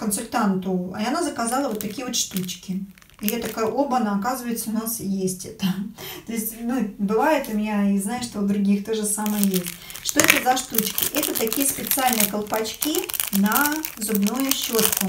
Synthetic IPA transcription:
kənsʊlʲt̪ant̪ʊɐnazəkazalˠəvot̪ːɐkʲijəvot̪ʂt̪ut͡ɕkʲɪ | ijat̪ɐkajʔo̞bnaɐkazɨvəjɪt̪səʊnasjesʲtʲɛt̪ət̪o̞ɪsʲtʲnubɨvajɪt̪ʊmʲɪnʲaiznajɪʂt̪od̪ɾʊɡʲixt̪o̞ʐɨsaməjəjesʲtʲ | ʂt̪o̞ɛt̪əzɐʂt̪ut͡ɕkʲɪ̰ʔɛt̪ət̪ɐkʲijəspʲɪt̪sɨalʲnɨjəkəlˠpɐt͡ɕkʲinəzʊbnujʊɕːot̪kʊ

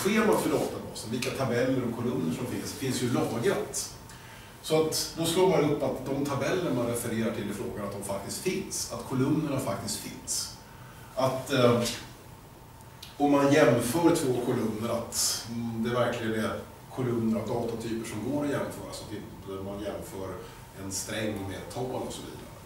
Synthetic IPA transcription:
ɧeːmat̪fœɖɑːt̪abɑ̰ːsənvɪlkːat̪ʰabɛlːəɾɔmkʰʊlɵmnəʂɔmfɪnsfɪnsjɵlɑːɡat̪ | sɔat̪d̪ɔst̪loːbɑːɾaɵpːat̪d̪ɔmt̪ʰabɛlːəɳmanɾɛfəɾeːɾaʈʰɪlːɪfɾoːɡanat̪̚d̪ɔmfakt̪ɪskt̪fɪnsat̪kʰɔlɵmnəɳafak̚t̪ɪst̪fɪ̰ns | ʔat̪ | ɔmmanjɛmfœːɾt̪ʰvoːkʰɔlɵmnːəɾat̪d̪ɛːɾvæɾklɪɡənɛ | kʰʊlɵmnəɾavd̪ɑːt̪at̪ʰyːpəʂɔmɡoːɾɔjɛmfœːɾasɔat̪ɪnt̪əmanjɛmfœːɾ | ɛnst̪ɾɛŋːmḛːt̪ʰːɑːlɔ̰sɔvḭːd̪a̰ɾə

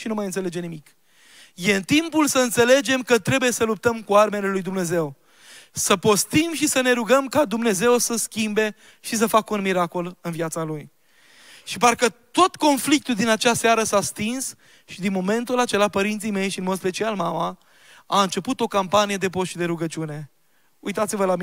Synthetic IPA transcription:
ʃinumajɨnt̪sele̞d͡ʒe̞nimik | je̞ɨnt̪impulsəɨnt̪sele̞d͡ʒe̞mkət̪ɾe̞buje̞səlup̚t̪əmkuarme̞le̞lujd̪umne̞ze̞w | səpo̞st̪imʃisəne̞ɾuɡəmkad̪umne̞ze̞wsəskʲimbe̞ | ʃis̬əfakəunmiɾako̞lɨnviat̪saluj | ʃiparkət̪o̞t̪ko̞nflik̚t̪uld̪inat͡ʃasaɾəsast̪ins | ʃid̪inmo̞me̞nt̪ulat͡ʃe̞lapəɾint̪sijme̞jʃinmospe̞t͡ʃialmama | aɨnt͡ʃe̞put̪o̞kampanije̞d̪e̞po̞sʃid̪e̞ɾuɡət͡ʃiune̞ | ṵjt̪at̪sivəlam

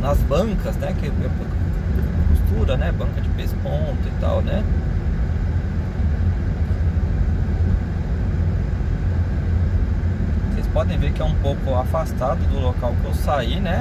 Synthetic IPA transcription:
nɐzbɐ̃ŋkɐznɛkɪmepʊk | kust̪uɾɐnɛbɐ̃ŋkɐd͡ʒɪpespõnt̪ʊit̪a̰wnɛ | osespɔd̪ẽj̃vekɪɛũpowkʊafast̪ad̪ʊd̪ʊlokawkɪewsainɛ

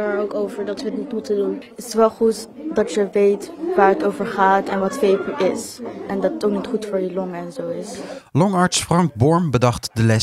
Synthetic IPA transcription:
ɹowkowvəɹdɑtʋəətnitmutədunɪɪ̥sʋɛlˠχutdɑtjəʋejtʋaːɹɦətowvəɹχaːtɛnʋɑtfejpəʔɪsɛndɑtətoknitχutfʊːɹjəlɔŋɛnzowɪslɔŋɑɹtsfrɑŋk̚bɔɹmbədɑχtdəlɛs

